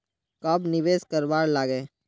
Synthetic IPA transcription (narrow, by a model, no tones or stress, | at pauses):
kɐbnɪʋeːskəɾbaːɾlaːɡeː